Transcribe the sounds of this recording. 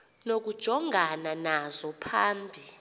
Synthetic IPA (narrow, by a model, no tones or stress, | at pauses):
nok̬ud̥ʒ̥ʱɔŋʱananazɔpʰaːmbʱi